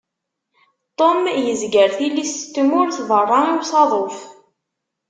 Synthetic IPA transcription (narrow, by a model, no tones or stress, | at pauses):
t̪ˤomjəzɡəɾθilːist̪ːmʊɾθvərˤːɑiwsɑðˤof